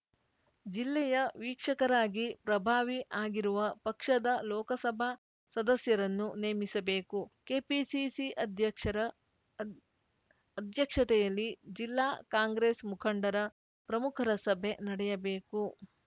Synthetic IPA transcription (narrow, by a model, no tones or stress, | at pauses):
d͡ʒilːɛjɐʋiːkʂɐkɐɾaːɡipɾɐbʱaːʋiʔaːɡiɾuʋɐpɐkʂɐd̪ɐlɔːkɐsɐbʱa | sɐd̪ɐsjɐɾɐnːuneːmisɐbe̞ːkukeːpisisiɐd̪ʱjɐɐ | ɐd̪ʱjɐkʂɐt̪ɛjɐlːid͡ʒilːaːkaːŋɡɾeːsmukʰɐɳɖɐɾɐ | pɾɐmukʰɐɾɐsɐbʱe̞nɐɽɛjɐbe̞ːku